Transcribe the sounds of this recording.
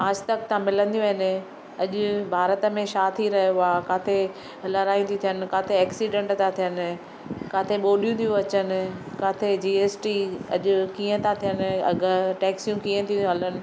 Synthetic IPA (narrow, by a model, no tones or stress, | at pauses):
aːd͡ʑʱt̪ɐk̚t̪ʰãmɪlə̃nd̪ijũɐɦɪnɪ | ɐʄʊbʱaːɾət̪ə̆mẽʃaːt̪ʰiɾɐɦijoaːkaːt̪ʰe | lɐɾaːj̃t̪ʰit̪ʰijənɪ̆kaːt̪ʰeɛːksiːɖẽːɳʈt̪ʰãt̪ʰijənɪ̆ | kaːt̪ʰeɓoːlijũt̪ʰijũɐt͡ɕənɪ̆kaːt̪ʰed͡ʑiːeːsʈiɐ̰ʄʊkiːə̃t̪ʰãt̪ʰijənɡʈɛːksjũkiːə̃t̪ʰijũɦɐlənɪ̆